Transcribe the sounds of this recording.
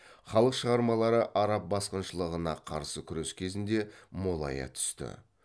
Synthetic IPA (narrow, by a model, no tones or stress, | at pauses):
χɑlˠəqʃəʁɑɾmɑlˠɑɾəʔɑɾɑp̚bɑsqənʃəlˠəʁənɑqʰɑ̰ɾsəkʲʰʏɾeskʲʰe̞zɪnd̪e̞molˠɑ̰jɑ̰t̪ʰʏ̥st̪ɪ̰